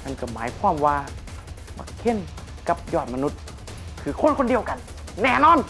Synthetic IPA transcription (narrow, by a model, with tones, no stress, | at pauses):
ma˧˨nkɔ˧˩maː˨˦jkʰwaː˧˥˨mwaː˧ | ma̰˧˩kʰe˧˥˨n | ka˧˦p̚jɔː˧˩t̪̚ma˧nu˧˥t̪̚ | kʰɯː˨˦kʰo˧˥˨nkʰo˧ndi˧əwka˧n | nɛː˧˩˨nɔː˧˥˨n